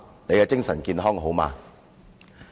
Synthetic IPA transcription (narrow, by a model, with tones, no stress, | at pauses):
ne˨˧jkɛː˧t͡sɪ˥ŋsɐ˨˩nkiː˧nɦɔː˥ŋɦo˨˥wma̰ː˧